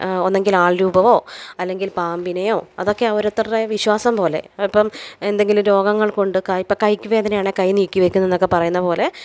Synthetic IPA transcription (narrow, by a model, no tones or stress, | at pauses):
o̞nːeŋɡilaːɭɾuːbɐʋo̞ːɐlːe̞ŋɡilpaːmbinɐjo̞ːɐðo̞kːe̞ɐʋoɾɐt̪ːrɐreʋiɕwaːsɐmpo̞ːle̞̰ɐpːɐme̞nd̪e̞ŋɡilmɾo̞ːɡɐŋːɐɭko̞ɳɖɨkɐipːɐkɐjkʲːɨʋe̞ːd̪ɐnejaːɳekɐjniːkʲːiʋekʲːunːenːokːe̞pɐrɐjunːɐpo̞ːle̞